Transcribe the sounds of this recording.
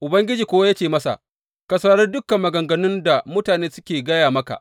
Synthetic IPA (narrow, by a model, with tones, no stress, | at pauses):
ʔʊ˨bɐ˦ŋɡʲɪ˦d͡ʒiː˨kʷoː˦wa˦ja˦t͡ʃeː˨mɐ˦sa̰˨ʔ | kɐ˨sa˦ɽɐ˦rdʊ˦kɐ˨mːɐ˨ɡɐ˨ŋɡɐ˨nʊ˦nda˨mʊ˦taː˨neː˦sʊ˦kʲeː˨ɡɐ˦jaː˨mɐ˦ka̰˨ʔ